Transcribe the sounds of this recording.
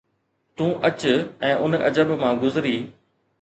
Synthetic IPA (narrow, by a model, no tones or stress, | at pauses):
t̪ũːʔɐt͡ɕʊɛ̃ːʔʊnʔɐ̰d͡ʑəbmãːɡʊzɪɾiː